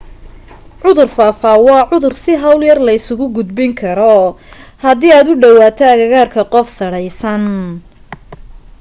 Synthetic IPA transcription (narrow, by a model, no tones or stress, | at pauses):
ʕʊðʊrfaːfaːwɑːʕʊðʊrsɪɦɐwljɐrlɐɪsʊɣʊɡʊd̪bɪŋkʰɐɾɔhɐðiːaːd̪ʊɖɐwaːt̪ʰɛɐɣɐɣaːrkʰɐqɔfsɐɽɛjsɐn